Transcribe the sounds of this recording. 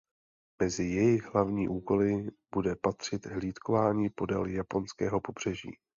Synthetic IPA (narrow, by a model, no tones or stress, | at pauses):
mɛzɪjɛjɪɣɦlavɲiːʔuːko̞lɪb̥udɛpat̪r̝̥ɪt̪ɦliːt̪kovaːɲiːpo̞dɛ̰ljapo̞nskɛːɦo̞po̞br̝ɛʒḭː